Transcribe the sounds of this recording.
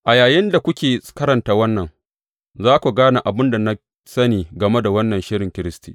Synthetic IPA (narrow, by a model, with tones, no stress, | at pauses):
ʔa˨jaː˨jɪ˦nda˨kʷʊ˦kʲeː˨kɐ˦ɾɐ˨ntaː˦wɐ˦nːɐ˨ŋ | zaː˦kʷu˨ɡaː˦na˨ʔa˨bʊ˦nda˨na˦ | sɐ˦niː˨ɡɐ˨me˦da˨wɐ˦nːɐ˨nʃɪ˦ɽɪ˨ŋkʲɪ˦ɾɪ˦stḭː˨